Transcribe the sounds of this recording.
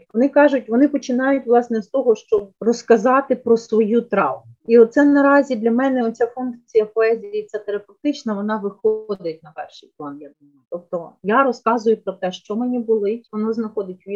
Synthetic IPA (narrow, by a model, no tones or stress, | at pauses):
ʋɔnɪkɑʒʊtʲʋɔnɪpɔt͡ʃɪnɑjʊtʲʋlˠɑsnɛst̪ɔɦɔʃt͡ʃɔbrɔskɐzɑt̪ɪpɾɔsʋɔjut̪ɾɑ̰wʊiɔt̪t̪sɛnɐɾɑzʲid̪lʲɐmɛnɛɔt͡sʲafunkt͡sʲijɐpɔɛzʲijɐit̪sʲɛt̪eɾɐpewt̪ɪt͡ʃnɐʋɔnɑʋɪxɔd̪ɪtʲnɐpɛrʃɪjplˠɑnjɐɡ̚d̪ʊmat̪ɔp̚t̪ɔjaɾɔskɑzʊjʊpɾɔt̪ɛʃt͡ʃɔmenʲibʊlˠɪtʲʋɔnɔznɐxɔd̪ɪtʲʋʲi